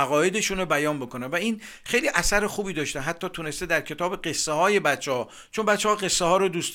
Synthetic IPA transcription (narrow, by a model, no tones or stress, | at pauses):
æɣɒːje̞d̪e̞ʃunobæjɒːnbo̞ko̞nænvæin | xejliːʔæsæɾexuːbiːd̪ɒːʃt̪ænɦæt̪ʰːɒːt̪ʰune̞st̪ed̪æɾkʰe̞t̪ʰɒːbe̞ɢe̞sːehɒːje̞bæt̪t͡ʃʰːehɒː | t͡ʃʰo̞nbæt̪t͡ʃːehɒːɢe̞sːehɒːɾod̪uːs